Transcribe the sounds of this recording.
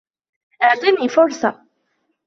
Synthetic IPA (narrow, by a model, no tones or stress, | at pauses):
ʔaʕt̪ˤiːniːfʊɾˤsˤɑ